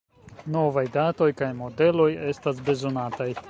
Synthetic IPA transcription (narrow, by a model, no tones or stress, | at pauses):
no̞vajdato̞jkajmo̞de̞lo̞je̞stas̬be̞zo̞nataj